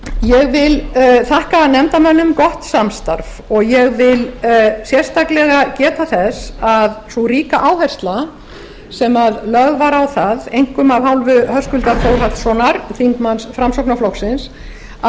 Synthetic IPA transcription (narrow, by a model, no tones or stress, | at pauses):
jɛɣvɪlθahkaːðnɛmt̪amɛnːʏmkɔht̪samst̪aɾf | ɔɣjɛɣvɪlsjɛr̥st̪aklɛɣacɛːt̪aθɛsaðsuɾiːkaʔaːwhɛst̪la | sɛmaðlœɣvaɾawθaðejŋ̥kʏmavhawlvʏhœskʏlt̪afoːwɾ̥hat̪sɔnaɾθiŋk̪mansfɾamsɔknaflɔksɪns